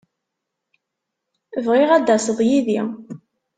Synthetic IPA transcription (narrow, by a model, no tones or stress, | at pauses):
əvʁɪʁæd̪ːæsəðˤjiði